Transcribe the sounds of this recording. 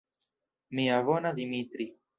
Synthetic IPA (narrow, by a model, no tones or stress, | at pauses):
miavonad̪imit̪ɾi